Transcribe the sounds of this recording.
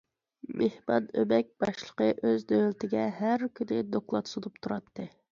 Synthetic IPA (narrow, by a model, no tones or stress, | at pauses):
mʔehmɑnømɛk̚ʲb̥ɑʃlˠəqəʔøzd̪ølt̪ʰɪɡʲɛhæɾkʲʰynɪd̪oklˠɑt̪sod̪up̚t̪ʰuɾɑt̪ʰːɨ